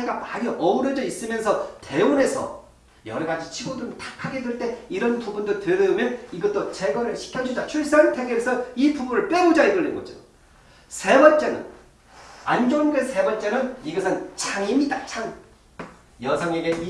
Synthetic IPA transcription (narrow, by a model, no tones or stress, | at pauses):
ɡamaɾiʔʌuɾʌd͡ʑʌis͈ɯmjʌnsʰʌte̞une̞sʰʌ̰ | jʌ̰ɾʌɡad͡ʑit͡ɕʰiɡoduntʰḁkʰaɡe̞dweɭt͈e̞iɾʌnpubundoteɾʌɯmjʌniɡʌt͈ot͡ɕe̞ɡʌɾɯɭɕʰi̥kʰand͡ʑud͡ʑat͡ɕʰuɭs͈antʰeɡeesʰʌipubunɯɭp͈e̞ud͡ʑaeɡɯɭːenɡʌ̰d͡ʑo̰ | sʰe̞bʌnt͡ɕ͈e̞nɯ̰n | and͡ʑonɡesʰe̞bʌnt͡ɕ͈e̞nɯniɡʌsʰɯnt͡ɕʰaŋimidat͡ɕʰaŋ | jʌsʰʌŋe̞ɡe̞